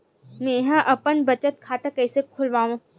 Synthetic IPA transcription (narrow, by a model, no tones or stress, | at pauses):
mẽɦãʔɐpənbɐt͡ʃət̪̚kʰaːt̪akɛːsekʰʊlʋaːʋũ